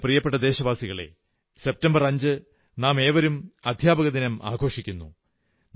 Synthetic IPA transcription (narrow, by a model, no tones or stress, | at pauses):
prijɐpːeʈːɐd̪e̞ːɕɐʋaːsiɣɐɭe̞̰ | se̞p̚tɐmbɐrɐɲd͡ʑɨ | naːme̞ːʋɐɾumɐd̪ʱjaːbɐɣɐd̪inɐmʔa̰ːɡʱo̞ːʂikʲːunːṵ | n